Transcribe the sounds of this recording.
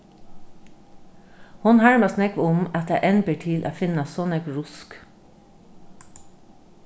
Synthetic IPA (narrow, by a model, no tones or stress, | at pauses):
hʊnhɑɹmɑsnɛkʋʊmɑt̪jæ̰ʔɛnbəʈʰɪlʔa̰ːfɪnasɔnɛkɹʊsk